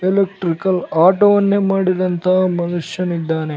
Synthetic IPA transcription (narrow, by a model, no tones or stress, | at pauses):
elekʈɾikɐlaːʈoːʋɐnːemaːɽid̪ɐnt̪ʰɐɦɐmɐnuʂjɐnid̪ːaːne